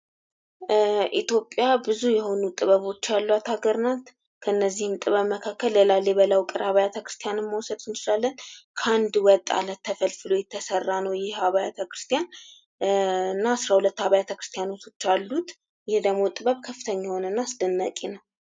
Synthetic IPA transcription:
ʔit̪jo̞pʼjabɨzujɛho̞nut̪ʼɨβəβo̞t͡ʃːalːuat̪aɡəɾnat̪ | kʰəɨnːəzːihɨmt̪ʼɨβəβməkʰakːəlːelalːebələwkʼɨɾaβajat̪ʰəkɾɨst̪ʰijanɨmːəwsəd̪ɨnt͡ʃɪlalːənkʰand̪wɔt̪ʼːa̰lət̪ʰːəfəlfɨlo̞jɛt̪ʰːəsərːanəwjɪhhaβajat̪ʰəkɾɨst̪ʰijan | ɨnːaːsɾahulət̪ːhaβajat̪ʰəkɾɨ̥st̪ʰijanot̪ʰo̞t͡ʃːalːut̪ | jɛhd̪əmːo̞t̪ʼɨβəβkʰəfːɨ̥t̪ʰəɲːaho̞nənːaːsd̪ənːakʼenəw

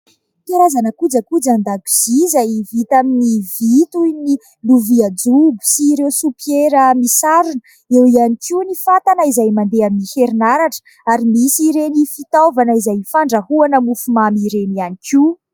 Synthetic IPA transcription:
kaɾazanəkud͡zəkud͡zand̪aku̥z̥izajvit̪aminivit̪uni | luviad͡zubu̥siɾewsupjeɾəmisaɾunə | ewianikunifat̪anəizajmand̪eaminiheɾinaɾaʈ͡ʂə̥ | aɾimisiɾenifit̪awvanəizajfaɳɖ͡ʐahuanəmufumamiɾenianikʰu

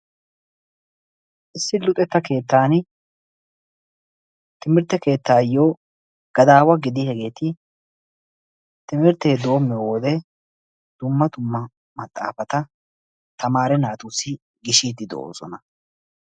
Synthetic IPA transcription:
ʔɪsːɪlʊt̪ʼɛt̪ːɐke̞ːt̪ːaːn | t̪ɪmɪɾt̪ːɛke̞ːt̪ːaːjoː | ɡ̥ɐd̪aːwɐɡɪd̪ɪhɛɡe̞ːt̪ɪ | t̪ɪmɪɾt̪ːeːd̪o̞ːmːɛwɔd̪ɛ | d̪̥ʊmːɐd̪ʊmːɐ | mɐt̪ʼːa̰ːfɐt̪ɐ | t̪ʰɐmaːɾɛnaːt̪uːsɪ | ɡɪʃiːd̪ɪd̪oo̰ːsɔnɐ

